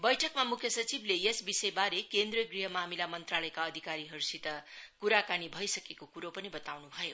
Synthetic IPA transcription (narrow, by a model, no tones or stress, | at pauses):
bʌjʈʰʌkmamukʰjʌsʌt͡siblejesbisejbaɾekend̪rʌɡriɦʌmaɦmilamʌnt̪ralʌjkaʌd̪ʱikaɾiɦʌɾusit̪ʌkuɾakanibʱʌjsʌkekokuɾopʌnibʌt̪awnubʱʌjo